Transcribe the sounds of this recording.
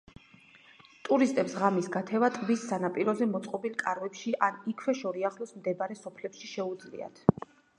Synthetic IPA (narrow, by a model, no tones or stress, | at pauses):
t̪ʼuɾist̪ʼɛpsʁamisɡat̪ʰɛvat̪ʼbisːanapʼiɾɔzɛmɔt̪sʼqʼɔbilˠkʼaɾvɛpʃiʔanikʰwɛʃɔɾiaχlɔsmd̪ɛbaɾɛsɔpʰlɛpʃiʃɛud̪zlḭa̰t̪ʰ